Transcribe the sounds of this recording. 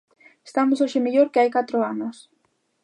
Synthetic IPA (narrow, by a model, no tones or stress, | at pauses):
est̪amʊsoʃemeʎoɾkeajkat̪ɾoanos